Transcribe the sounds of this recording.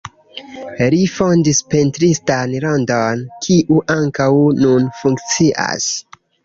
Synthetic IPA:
lifondispentɾistanɾondonkʰiʔuʔaŋkawnunfuŋkt͡siʔa̰s

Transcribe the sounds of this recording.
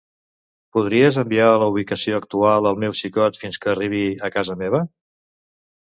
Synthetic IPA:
puðɾiəzəmbialəuβ̞ikəsioək̚t̪ualˠəlˠmewsikɔt̪finskəːriβ̞iəkazəmeβ̞ə

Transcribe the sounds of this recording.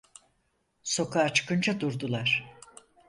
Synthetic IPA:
so̞kʰaːt͡ʃʰɯ̥kɯnt͡ʃʰad̪uɾd̪ulˠaɾ̥

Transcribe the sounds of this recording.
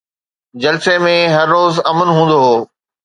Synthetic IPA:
d͡ʑɐlsemẽɦɐɾːoːzɐmənɦũːn̆d̪oɦoː

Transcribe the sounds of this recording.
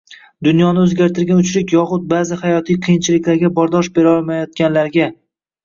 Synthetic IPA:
d̪ʊnjɒnɪɵzɡʲaɾt̪ʰɪɾɡʲanʊt͡ʃɾɪkʲjɒχʊd̪̚baːzɪhajɒt̪ʰijqʰɨjɪnt͡ʃʰɪlɪkʲlaɾɡʲabɒɾd̪ɒʃbe̞ɾɒlˠmajɒt̪̚kʲanlaɾɡʲa

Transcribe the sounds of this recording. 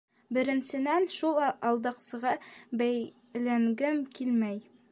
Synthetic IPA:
bɘ̆ɾɘ̆nsɘ̆nænʃulˠɑɑlˠd̪ɑqsɤ̆ʁɑbæj | læŋɡɘmkilmæj

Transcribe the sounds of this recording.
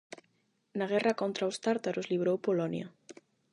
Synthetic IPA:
naɣɛrakont̪ɾawst̪aɾt̪aɾozliβɾowpolɔnjɐ̰

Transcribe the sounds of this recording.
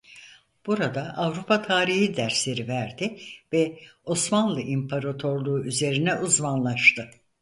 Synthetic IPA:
b̥uɾad̪aʔavɾupʰat̪ʰaːɾihid̪æɾslʲe̞ɾivæɾd̪ɪvɛo̞smanlˠɯʔimpʰaɾat̪ʰo̞ɾlˠuːyze̞ɾinɛʔuzmanlˠaʃt̪ʰɯ

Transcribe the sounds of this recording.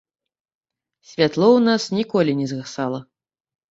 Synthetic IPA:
sʲvʲat̪lˠɔwnasnʲikɔlʲinʲɛzɣasalˠɐ

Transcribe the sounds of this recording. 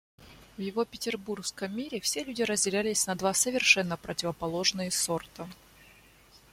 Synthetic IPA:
vjɪvo̞pʲɪtʲɪrburskəmːʲiɾʲɪfsʲelʲʉdʲɪɾəzʲdʲɪlʲælʲɪsʲnɐd̪vasəvʲɪrʂɛnːəpɾətʲɪvəpɐlˠo̞ʐnɨjəso̞rt̪ə

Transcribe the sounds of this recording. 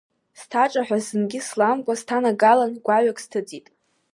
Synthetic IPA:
stʰaʈ͡ʂʼaħʷᶣazɨnɡʲɪslamkʷʼastʰanaɡalanɡʷaɥakʼstʰɨd͡zʼitʼ

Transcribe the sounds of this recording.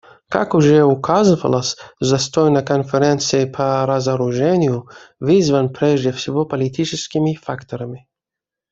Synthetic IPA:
ka̰kuʒɛʊkʰazɨvɐ̰lˠɐsʲzɐst̪ɔjnɐkonfɛɾɛnt̪sɨipʰɐɾɐzɐɾʊʒɛnʲɪjʊvizvɐnpɾʲɛʒdʲɛfsʲivɔpɐlʲit̪ʲit͡ʃɛskʲimifakt̪oɾɐmi

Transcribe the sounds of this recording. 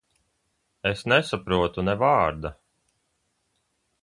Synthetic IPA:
esnɛsapɾuɔt̪unɛvaːɾd̪a

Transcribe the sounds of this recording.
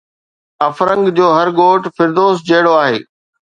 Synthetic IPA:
ɐfɾə̃ŋɡd͡ʑoːɦɐɾɡoːʈfɪɾd̪oːsd͡ʑɐɦɪɽoaːɦeː

